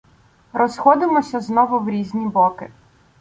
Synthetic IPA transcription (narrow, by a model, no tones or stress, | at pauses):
ɾɔsxɔd̪ɪmɔsʲɐznɔʋʊwɾʲizʲnʲibɔkɪ